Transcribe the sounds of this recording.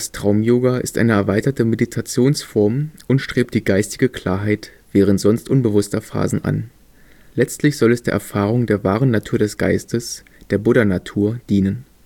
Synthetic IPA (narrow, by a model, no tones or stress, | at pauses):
d̥astʁ̥aʊmjoːɡaɪ̰stʔa̰ɪnəɛɐvaɪtɐtəmeditʰat͡sjoːnsfɔɐmʔʊntʃtʁ̥eːp̚t̚d̥iːɡaɪstɪɡəkl̥a̰ːɐɦaɪtv̥ɛːʁ̞əntz̥ɔnstʔʊnbəvʊstɐfa̰ːzn̩ʔa̰n | lɛt͡stlɪçz̥ɔlɛsd̥eːɐʔɛɐfaːʁ̞ʊŋdeːɐvaːʁ̞ənatʰuːɐdɛsɡ̥a̰ɪstəs | d̥eːɐbʊɾɐnatʰuːɐd̥iːnən